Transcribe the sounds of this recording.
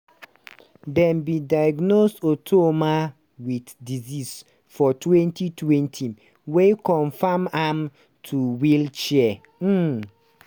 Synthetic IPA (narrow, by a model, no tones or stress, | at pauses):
dɛ̃nbidajɡnosotʰomã | witdizis | fɔtʰwɛ̃ntʰitʰwɛ̃ntʰĩn | wekʰɔ̃ɱfamam | tʰuwilt͡ʃiɛ | m̩